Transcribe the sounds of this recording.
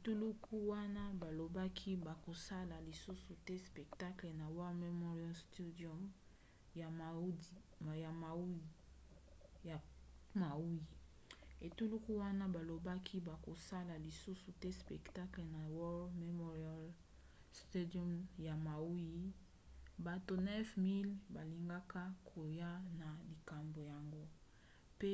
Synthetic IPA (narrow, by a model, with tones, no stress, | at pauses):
e˨tu˦lu˦kʰu˦wa˦na˦ba˨lo˨ba˦kʰi˦ba˨ko˨sa˦la˨li˨su˦su˨tɛ˦spɛ˨kta˦kle˨na˨wɔ˦lme˨mɔ˦ʁi˦a˦lstu˦dɔ˦m˨ | ja˨ma˨˦i˨ | ma˨u˦ji˨ | e˨tu˦lu˦ku˦wa˦na˦ba˨lo˨ba˦kʰi˦ba˨ko˨sa˦la˨li˨su˦su˨tɛ˦spɛ˨kta˦kle˨na˨wɔ˦lme˨mɔ˦ʁi˦a˦l | ste˦dɔ˦mja˨ma˨u˦ji˨ | ba˨to˨nɛ˦fmi˦lba˨li˨ŋɡa˦ka˦kʰo˨ja˦na˨li˨ka˨mbo˨ja˨ŋɡo˦ | pe˦